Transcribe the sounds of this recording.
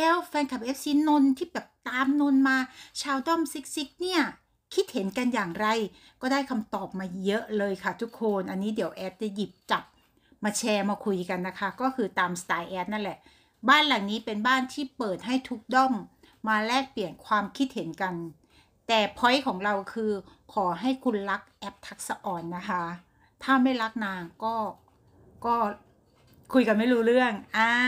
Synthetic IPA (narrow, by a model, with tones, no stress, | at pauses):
lɛː˦˥wfɛː˧nkʰa˨˩p̚ʔeː˦˥p̚siː˧˦˥no˧nt̪ʰiː˥˩bɛː˨˩p̚t̪aː˧mno˧nmaː˧t͡ɕʰaː˧wdɔ˥˩msi˦˥k̚si˦˥k̚ni˥˩ɐ | kʰi˦˥t̪̚he˩˦nka˧njaː˨˩ŋɾa˧j | kɔː˥˩daː˥˩jkʰa˧mt̪ɔː˨˩p̚maː˧jɤ˦˥ʔlɤː˧jkʰa˥˩t̪ʰu˦˥kʰːoː˧nʔa˧nːiː˦˥di˩˦əwʔɛː˦˥t̚t͡ɕa˧˩ji˨˩p̚t͡ɕa˨˩p̚ | maː˧t͡ɕʰɛː˧maː˧kʰu˧jka˧nːa˦˥kʰa˦˥kɔː˥˩kʰɯː˧t̪aː˧msḁ˧t̪aː˧jʔɛː˦˥t̪̚na˥˩nlɛ˨˩ʔ | baː˥˩nla˨˩ŋniː˦˥pe˧nbaː˥˩nt̪ʰiː˥˩pɤː˨˩t̪̚ɦa˥˩jt̪ʰu˦˥k̚dɔ˥˩mː | aː˧lɛː˥˩k̚pli˨˩ənkʰwaː˧mkʰi˦˥t̪̚he˩˦nka˧n | t̪ɛː˨˩pʰɔ˦˥jkʰɔː˩˦ŋɾa˧wkʰɯː˧kʰɔː˩˦ɦa˥˩jkʰu˧nla˦˥k̚ʔɛ˦˥p̚t̪ʰa˦˥k̚sa˧ʔɔː˧nːa˦˥kʰa˦˥ | t̪ʰaː˥˩ma˥˩jɾa˦˥k̚naː˧ŋkɔː˥˩ | kɔː˥˩ | kʰu˧jka˧nma˥˩jɾuː˦˥ɾɯ˥˩əŋʔaː˧